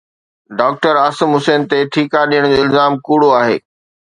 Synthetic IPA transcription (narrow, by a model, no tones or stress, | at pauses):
ɖaːk̚ʈəɾaːsɪmɦʊseːnt̪eʈʰiːkaɗijəɽ̃d͡ʑoːɪlzaːmkuːɽoaːɦḛː